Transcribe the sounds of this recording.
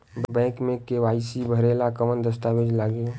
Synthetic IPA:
bbɛ̃ːkmẽkeʋaːisibʱəɾeːlakəmənd̪əst̪aːʋed͡ʒlaːɡe

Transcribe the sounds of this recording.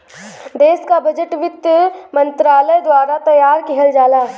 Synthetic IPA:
d̪eːskabɐd͡ʒəʈʋɪt̪mɐ̃nt̪ɾaːləjd̪waːɾat̪ɐjaːɾkiɦəld͡ʒaːlaːɦɛ

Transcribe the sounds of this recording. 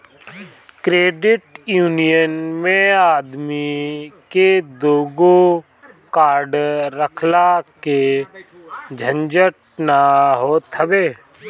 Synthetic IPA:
kɾeːɖɪʈjuːnijənmẽaːd̪miked̪oːɡo | kaːɾɖɾəkʰlake | d͡ʒʱə̃nd͡ʒəʈ | naɦoːt̪ʰəbeː

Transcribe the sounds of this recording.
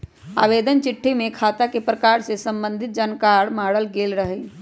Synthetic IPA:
a̰ːʋeːd̪ənt͡ʃɪʈʰːimẽkʰaːt̪akepɾəkaːɾsesə̃mbə̃nd̪ʱɪt̪̚d͡ʒaːnkaːɾmaːɽəlɡeːlɾəɦɛ

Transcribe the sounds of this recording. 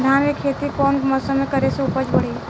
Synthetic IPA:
d̪ʱanmekʰet̪ikɔːnməsəmẽkəɾesẽupəd͡ʒbəɽ̤i

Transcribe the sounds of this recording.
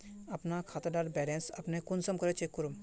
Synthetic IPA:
apnakʰat̪aɖaɾbɛlẽnsɐ̰pnekunsəmkɔɾet͡ʃʰekuɾum

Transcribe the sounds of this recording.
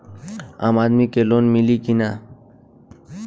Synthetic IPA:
aːmaːd̪mikeːloːnmilikinaː

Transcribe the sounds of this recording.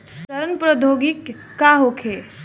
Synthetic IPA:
ssɐɾənpɾəd̪ʱoɡikː | aɦokʰe

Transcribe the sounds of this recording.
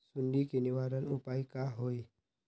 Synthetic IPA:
sunɖikiniwaɾənupajkaɦoi

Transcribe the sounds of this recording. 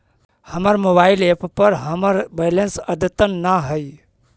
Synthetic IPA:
həməɾmobaileppəɾɦəməɾbelensəd̪ət̪ənːaɦəj

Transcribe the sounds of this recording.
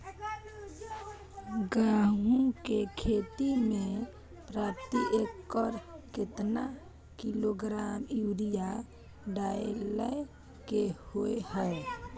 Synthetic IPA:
ɡaːɦũkekʰeːt̪imẽ | pɾaːt̪iʔekːɔɾkɪt̪na | kiloɡɾaːmjuːɾija | ɖaeləj | kehoeɦɛː

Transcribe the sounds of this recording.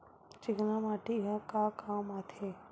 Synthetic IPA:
t͡ʃɪɡnamaʈeɦakakamat̪ʰe

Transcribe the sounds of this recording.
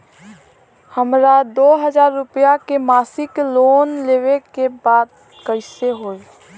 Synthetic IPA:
həmɾad̪oːɦəd͡ʒaːɾːʊpjakemaːsɪkloːnleːwekebaːd̪̚ | kəɪseɦoːi

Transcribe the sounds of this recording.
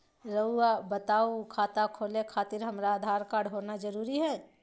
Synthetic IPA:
ɾəabət̪aːukʰaːt̪akʰoːlekʰaːt̪ɪɾɦɐmɾaːd̪ʱaːɾkaːɾɖɦoːnad͡ʒɐɾuːɾiɦɛː

